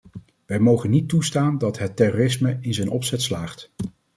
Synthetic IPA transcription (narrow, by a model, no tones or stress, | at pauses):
ʋɛjmowχənːitːustaːndɑtɦətːɛroːrɪsməɪnzɛjnʔɔpsɛtslaːχt